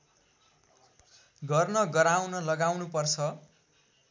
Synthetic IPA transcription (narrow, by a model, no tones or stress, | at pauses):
ɡʌrnʌɡʌɾawnʌlʌɡawnupʌrt͡sʰʌ